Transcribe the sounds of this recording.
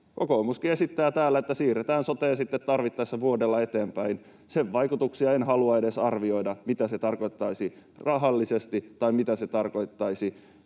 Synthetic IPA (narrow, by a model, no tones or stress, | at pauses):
kokoːmuskiesit̪ːæːt̪æːlːæet̪ːæsiːret̪æːnsot̪eːnsit̪ːet̪tɑrʋit̪ːɑsːæʋuodelːɑe̞t̪eːmpæin | seʋʋɑjkut̪uksiɑenɦɑluɑedesɑrʋio̞idɑmit̪æset̪ɑrko̞it̪ːɑisirɑɦɑlːisest̪itt̪ːɑimit̪æset̪ɑrko̞it̪ːɑisi